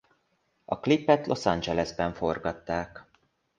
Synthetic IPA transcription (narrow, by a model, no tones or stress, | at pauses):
ɒklipːɛt̪lʔo̞sɒnd͡ʒɛlɛzbɛɱfo̞rɡɒt̪ːaːk